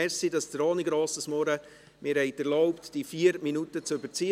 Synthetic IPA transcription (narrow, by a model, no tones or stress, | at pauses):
ɛsidɑsd̪əɾɔːnɪɡɾɔːsɪsmɔɾə | mɪɾhɛɪt̪æɾlɔʊptd̥ifiːəɾminut̪ət͡søbəɾt͡si